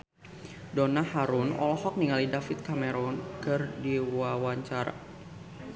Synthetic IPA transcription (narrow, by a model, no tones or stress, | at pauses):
donahaɾʊnɔ̰lɔhɔk̚niŋalidafit̪̚kamɛɾɔnkɨrdiwawaɲt͡ʃaɾa̰